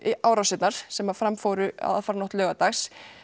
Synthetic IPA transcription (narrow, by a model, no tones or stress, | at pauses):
iʔaːwɾawsɪt̪naɾ̥sɛmafɾamfowɾʏa̰ða̰faːɾanowht̪lœːɣat̪axs